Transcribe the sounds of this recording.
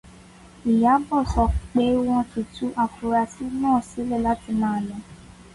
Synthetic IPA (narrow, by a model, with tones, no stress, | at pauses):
i˨ja˨˦bɔ˦˨sɔ˨k͡pe˦w̃ɔ̃˦tu˨tu˦ʔa˨fu˨ɾa˧si˦nãː˦˨si˨˦le˦˨la˦ti˧mãː˦˨lɔ̃˨˦